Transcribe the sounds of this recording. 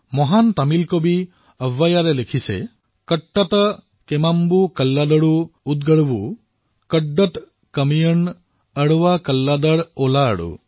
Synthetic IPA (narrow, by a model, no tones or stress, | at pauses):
mɔɦant̪amilkobi | əʋːajaɾelekʰisḛ | kəʈːat̪ɔ | kemambukəlːad̪əɽuud̪̚ɡəɽbu | kəɖːəʈ | kəmijən | əɽuwakəlːad̪əɽola̰ːɽṵ